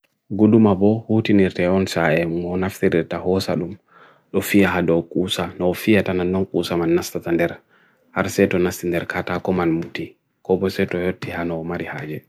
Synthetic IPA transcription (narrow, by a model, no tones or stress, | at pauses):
ɡuɗumabɔhutiniɾtɛɔnsaɛmɔnaftiɾiɾtahɔsa̰ɗum | ɗɔfijaɦadɔkʼuːsanɔːfijatananːɔnkʼuːsamanːastatandɛɾ | haɾsɛtɔnastindɛɾkʰatakɔmanmuti | kɔbɔsɛtɔjotːihanɔːmaɾihaːd͡ʒɛ